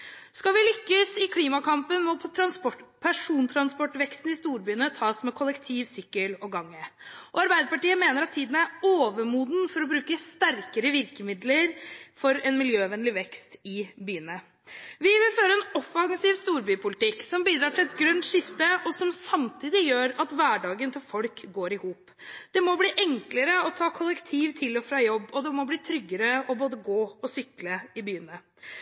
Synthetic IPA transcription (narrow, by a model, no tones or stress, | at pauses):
skɑʋɪlʏkːəsɪkʰliːmɑkʰɑmpənmɔpʰɔt̪ʰɾɑnspɔʈːpʰæʂuːnt̪ʰɾɑnspɔʈːʋɛkst̪n̩ɪst̪uːɾbyːənət̪ʰɑːsmɛkʰɔlɛkt̪ʰiːʋsʏkːəlɔɡɑŋːəʔɔɑɾbæɪd̪əpɑʈiːəmeːnəɾɑt̪ʰːiːd̪nəæɾoːʋəmuːd̪n̩fɔɾɔbɾʉːkəst̪æɾkəɾəʋɪɾkəmɪd̪ləɾfɔɾɛnmɪljøːʋɛnlɪʋɛkst̪ɪbyːənə | ʋɪʋɪlføːɾəɛnɔfɑŋsɪʋst̪uːɾbyːpʰʊlɪt̪ɪkːsɔmbiːd̪ɾɑːʈʰɪlɛt̪ɡɾœnt̪ʂɪft̪əɔsɔmsɑmt̪ʰiːd̪ɪjøːɾɑt̪ʋæːɖɑːɡənt̪ʰɪlfɔlkɡoːɾɪhuːp | d̪̥ɛmɔbliːʔɛŋkləɾəɔt̪ʰɑːkʰɔlːəkt̪ʰiːʋt̪ʰɪlɔfɾɑːjɔbːɔd̪ɛmɔbliːt̪ʰɾʏɡːəɾəɔboːd̪əɡoːɔsʏkləɪbyːənə